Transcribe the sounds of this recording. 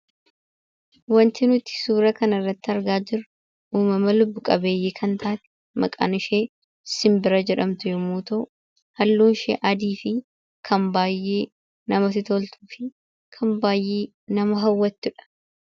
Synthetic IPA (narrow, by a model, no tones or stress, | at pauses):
wɐnt̪ɪnʊt̪ɪ̥suːɾɐkɐnɐrːɐt̪ːɪɐɾɡaːd͡ʒɪɾʊ | uːmɐmɐlʊbːʊkʼɐbe̞ːjːeːkʰɐnt̪ʰaːt̪ | mɐ̰kʼɐ̰nɪʃeː | sɪmbɪɾɐd͡ʒɛᶑɐmt̪ʊjɛmuːt̪o | hɐlːuːnʃḛːʔɐd̪iːfɪ | kʰɐmbaːjːeː | nɐmɐsɪt̪olt̪ʰu̥ːfɪ | kʰɐmbaːjːeː | nɐmɐɦɐwːɐt̪ːʊᶑɐ̥